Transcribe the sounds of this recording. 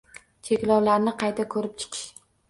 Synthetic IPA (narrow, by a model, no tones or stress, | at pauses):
t͡ʃʰekʲlɒwlaɾnɪqʰɑjt̪ʰakʰɵɾɪp̚t͡ʃʰɨ̥qʰɨ̥ʃ